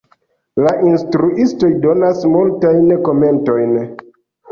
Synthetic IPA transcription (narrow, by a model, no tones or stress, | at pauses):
laʔinstɾuʔisto̞jdo̞nasmultajnko̞me̞nto̞jn